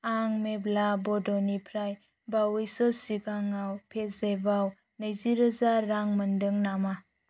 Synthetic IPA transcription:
aŋmeblabɔdɔnipʰɾaj | bawɯjsəsiɡaŋawpʰezebaw | nəjziɾəzaɾːaŋməndɯŋnama

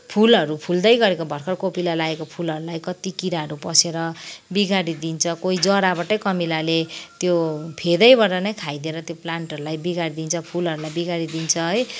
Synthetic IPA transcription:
pʰulʌɾupʰuld̪ʌjɡʌɾekobʱʌrkʰʌrkopilalaekopʰulʌɾulajkʌt̪ikiɾaʌɾupʌseɾʌbiɡaɾid̪int͡sʰʌkoid͡zʌɾabaʈʌjkʌmilalet̪jopʰed̪ʌjbʌdʌnʌjkʰajd̪ieɾʌt̪joplaɳʈʌɾulajbiɡaɾid̪int͡sʰʌpʰulɦʌɾulajbiɡaɾid̪int͡sʰʌɦʌj

